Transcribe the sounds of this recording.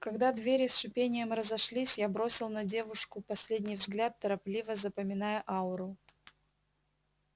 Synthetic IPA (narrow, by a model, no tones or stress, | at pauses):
kɐɡd̪ad̪vʲeɾʲɪsʂʊpʲenʲɪjəmrəzɐʂlʲisʲjabɾo̞sʲɪlˠnɐdʲe̞vʊʂkʊpɐsʲlʲedʲnʲijvzɡlʲat̪ːəɾɐplʲivəzəpəmʲɪnajəʔaʊɾʊ